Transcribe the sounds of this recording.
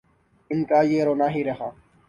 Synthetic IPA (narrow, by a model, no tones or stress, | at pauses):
ɪnkaːjeːɾoːnaːɦiːɾeɦaː